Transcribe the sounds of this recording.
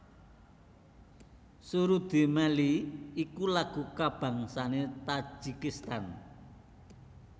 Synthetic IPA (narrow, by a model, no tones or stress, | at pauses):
suɾud̪̥e̤mɛliikulaɡ̥ṳkab̥a̤ŋsanet̪ḁd͡ʒ̥ikist̪an